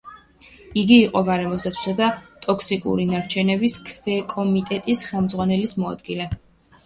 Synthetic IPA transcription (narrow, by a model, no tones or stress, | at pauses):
iɡiːqʼɔɡaɾɛmɔsd̪at̪sʰwi̥sad̪at̪ʼɔkʰsikʼṵɾinaɾt͡ʃʰɛnɛbiskʰvɛkʼɔmit̪ʼɛt̪ʼisχɛlˠmd̪zʁwanɛlismɔa̰d̪ɡilɛ